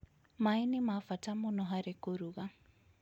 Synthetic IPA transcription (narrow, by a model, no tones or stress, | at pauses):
mainimafatamonɔɦaɾekoɾuɣa